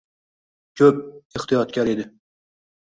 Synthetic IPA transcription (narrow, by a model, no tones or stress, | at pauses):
kʲʰøp̚eχt̪ʰɨjɑt̪̚kʲæɾid̪ɪ